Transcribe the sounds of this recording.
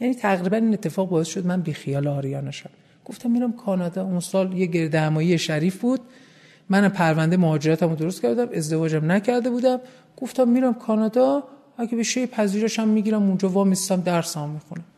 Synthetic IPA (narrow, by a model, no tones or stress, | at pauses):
jæniːt̪ʰæɣɾiːbæniːne̞t̪ːe̞fɒːɣbɒːe̞sʃo̞d̪mænbiːxijɒːleɒːɾijɒːnæʃæm | ɡ̥oft̪ʰæmːiɾæmkʰɒːnɒd̪ɒːunsɒːljeɟe̞ɾd̪ehæmɒːjijeʃæɾiːfbuːd̪̥̚ | mænæmpʰæɾvænd̪e̞mohɒːd͡ʒeɾɒːt̪ʰæmod̪oost̪cæɾd̪æme̞zd̪e̞vɒːd͡ʒæmnæcʰæɾd̪e̞buːd̪æm | ɡ̥o̞ft̪ʰæmːiɾæmkʰɒːnɒd̪ɒ | ækʰebeʃejpʰæziːɾeʃæmːiɟiɾæmund͡ʒɒːvɒːmiszæmd̪æɾsæmmːixunæm